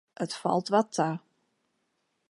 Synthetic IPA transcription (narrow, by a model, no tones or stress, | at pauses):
ʔətfɔ̰lˠtʋɔtʰa